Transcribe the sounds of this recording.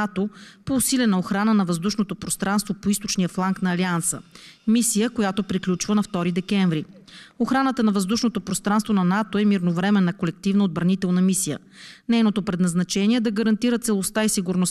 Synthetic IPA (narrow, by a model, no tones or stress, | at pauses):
at̪opoːsilʲɛnəoxɾanənɐvɐzd̪uʃnot̪opɾost̪ɾʔanst̪vopoist̪o̥t͡ʃnijəflˠaŋknɐːliansə̰misijəkojat̪opɾiklʲut͡ʃvənɐft̪ɔɾid̪ɛkɛɱvɾi | oxɾanət̪ənɐvɐzd̪uʃnot̪opɾost̪ɾanst̪vonɐnat̪oɛmiɾnovɾɛmɛnːɐkolɛk̚t̪ivnəod̪̚bɾɐnit̪ɛlˠnɐmisijə̰ | nɛjnot̪opɾɛd̪nɐznɐt͡ʃɛniɛd̪ɐɡəɾɐnt̪iɾət̪sɛlˠost̪aisiɡʊɾnos